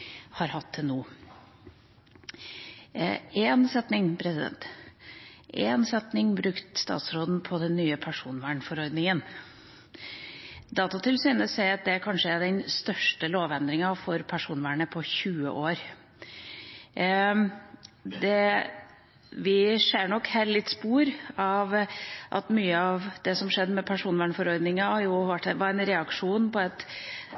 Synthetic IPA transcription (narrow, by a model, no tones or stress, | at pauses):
hɑɾhɑt̪ʰːɪnuː | ɛːnsɛt̪nɪŋpʰɾɛsɪd̪ɛ̰nt̪ | ʔɛ̰nsɛt̪nɪŋbɾʉkt̪st̪ɑ̰ːt̪sɾoːd̪n̩pʰɔd̪ɛnːyːəpʰæʂuːnʋæːɳfɔɾɔɾd̪nɪŋən | d̪ɑːt̪ɑt̪ʰɪlsyːnəsɛɪɑt̪̚d̪ɛækʰɑnʂəæɖɛnst̪œʂʈəloːʋɛnd̪ɾɪŋɑfɔɾpʰæʂuːnʋæːɳəpʰɔçʉːə̰ʔoːɾ | d̪ɛ | ʋɪʂeːɾɳɔkhæːɾlɪt̪ːspuːɾɑʋʔɑ̰t̪myːəɑʋd̪̥ɛsɔmʂɛd̪ːəmɛpʰæʂuːnʋæːɳfɔɾɔɾd̪nɪŋɑhɑɾjʊʋæʈːɛʋɑɾɛnɾɛɑkʂuːnpɔɛt̪